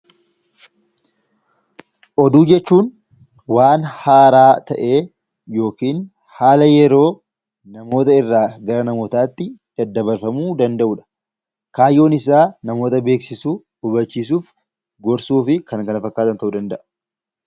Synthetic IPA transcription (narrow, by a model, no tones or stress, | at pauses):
ʔɔd̪uːd͡ʒɛt͡ʃːuːn | waːnhaːɾaːt̪ɐʔe̞ː | jo̞ːkiːn | haːlɐjɛɾo̞ː | nɐmo̞ːt̪ɐɪrːaːɡɐɾɐnɐmot̪aːt̪ːɪd̪̥ɐd̪ːɐbɐɾfɐmuːd̪ɐnd̪ɐʔuːᶑɐ̥ | kaːjːo̞ːnɪs̬aːnɐmo̞ːt̪ɐbe̞ːksɪsuː | ʊbɐt͡ʃːiːs̬uːf | ɡɔɾsuːfɪkɐnkɐnɐfɐkːaːt̪ɐnt̪ɐʔuːd̪ɐnd̪ɐʔɐ̥